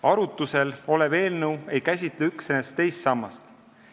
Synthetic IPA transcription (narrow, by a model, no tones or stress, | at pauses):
ɑɾut̪ːˑuse̞lo̞leve̞ːlnɤwe̞jkæsʲit̪leyksenest̪e̞jst̪sɑmːɑst̪